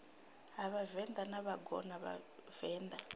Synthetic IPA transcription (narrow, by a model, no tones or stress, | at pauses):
ɦaβavɛnd̪anaβaɡɔ̰naβa̰v̥ɛːnd̪a